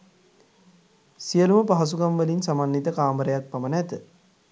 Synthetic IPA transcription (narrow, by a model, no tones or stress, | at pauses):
siəluməpaɦɐs̬ukamʋəlinsamanːit̪əkaːmbəɾəjak̚pɐmənæt̪ə